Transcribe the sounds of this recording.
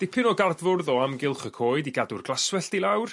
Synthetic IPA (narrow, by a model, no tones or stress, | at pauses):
d̥ɪpʰɪnɔɡardvʊrðɔamɡɪlˠχəkʰoːɨdiɡadʊrɡlˠaswɛɬd̥ilˠawr